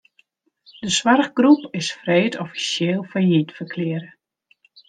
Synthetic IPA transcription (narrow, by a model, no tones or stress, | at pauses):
d̥əswarɣɡrupɪsfreːtʰɔfi̥sjɪːlˠfɔjitfərkʰlɪəɾə